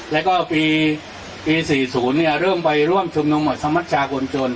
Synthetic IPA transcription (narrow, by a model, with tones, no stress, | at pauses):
lɛː˦˥wkɔː˥˩piː˧ | piː˧siː˨˩suː˩˦nːi˥˩ɾɤː˥˩mpa˧jɾu˥˩əmt͡ɕʰu˧mnu˧mːɔ˨˩t̪̚sʰa˧˥mːa˦˥t̪̚t͡ɕʰaː˧kʰo˧nt͡ɕo˧n